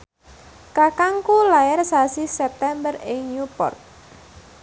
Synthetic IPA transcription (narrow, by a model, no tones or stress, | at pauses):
kakaŋkulajɛrsasisɛp̚t̪ɛmbərɪŋɲupɔ̰rt̪̚